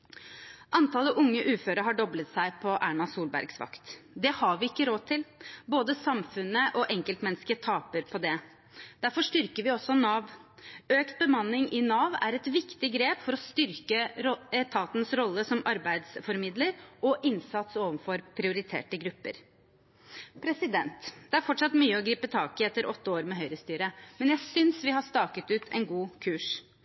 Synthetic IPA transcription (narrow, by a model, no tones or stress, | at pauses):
ʔɑnt̪ʰɑːləʔʊŋːəʔʉːføːɾəɦɑɖɔblət̪sæɪpʰɔʔæ̰ːɳɑsuːlbæ̰ɾɡsʋɑ̰kt̪d̪ɛhɑʋɪɪkːəɾoːt̪ʰɪlboːd̪əsɑmfʉnəʔɔʔɛŋkəlt̪mɛnskət̪ʰɑːpəɾpʰɔd̪ɛ | d̪̥æɾfɔʂt̪ʏɾkəɾʋɪɔsːɔnɑːʋøːkt̪̚bəmɑnːɪŋʔɪnɑːʋæɾɛt̪ʋɪkt̪ɪɡɾeːpfɔɾɔst̪ʏɾkəɛt̪ʰɑːt̪nsɾɔlːəsɔmɑɾbæɪd̪sfɔɾmɪd̪ləɾʔɔʔɪnsɑt̪soːʋənfɔɾpʰɾɪʊɾɪt̪ʰḛːʈəɡɾʉpːə̰ɾ | pʰɾɛsɪd̪ɛnt̪d̪̥ɛæɾfɔʈʂɑt̪myːəɔɡɾiːpət̪ʰɑːkɪɛt̪ːəɾʔɔt̪ːəoːɾmɛɦœʏɾəst̪yːɾəmɛnjæɪsʏnsʋɪɦɑʂt̪ɑːkət̪ʉːt̪ʰɛ̰nɡuːkʰʉːʂ